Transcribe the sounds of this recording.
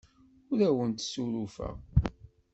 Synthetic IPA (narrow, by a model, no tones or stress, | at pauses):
ʊɾæwənt̪suɾufæ̰